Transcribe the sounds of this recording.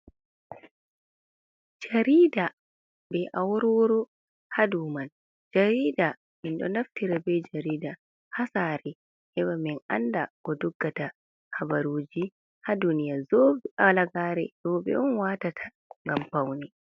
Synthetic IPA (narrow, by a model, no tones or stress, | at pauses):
d͡ʒaɾiːda | bɛʔawɔɾɔɾɔ | haduman | d͡ʒaɾiːda | minɗɔ̰naftiɾabɛd͡ʒaɾiːda | hasaɾɛ | hɛwamina̰nda̰ɡ̥ɔdɔɡːata | habaɾoːd͡ʒi | hadunijazobalaɡaɾɛ̰dɔbɛ̰ɔnwaːtatʰḁ | ŋɡampawnɛ